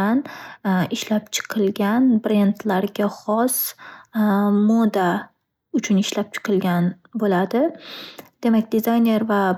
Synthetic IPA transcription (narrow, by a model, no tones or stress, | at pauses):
anɪʃlapt͡ʃʰɨ̥qʰɨlˠɡʲanbɾend̪laɾɡʲaχɒs | mod̪a | ʊt͡ʃʰʊnɪʃlap̚t͡ʃʰɨ̥qʰɨlˠɡʲan | bolad̪ɪ | d̪̥e̞makʲd̪ɪzajne̞ɾva